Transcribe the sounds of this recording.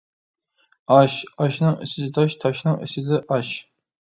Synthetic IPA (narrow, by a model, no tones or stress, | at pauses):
ɑʃɑʃnɨŋḭsɪd̪ɪt̪ʰɑʃt̪ʰɑʃnɨŋḭsɪd̪ɪʔɑʃ